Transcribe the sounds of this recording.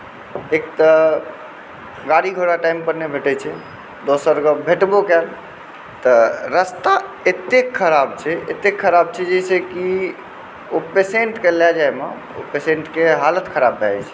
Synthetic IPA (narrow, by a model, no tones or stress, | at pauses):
ek̚t̪ə | ɡaɽiɡʱoɽaʈaimpəɾnebʱeʈɛt͡ʃʰɛ | d̪osəɾɡəbʱeʈbokɛl | t̪əɾəst̪aet̪ekʰːəɾabt͡ʃʰɛet̪ekʰːəɾab̚t͡ʃʰɛd͡ʒɛseki | opeseɳʈkelad͡ʒajma | o̰pesẽɳʈkeɦalət̪kʰəɾabːʱɛt͡ʃʰɛ̥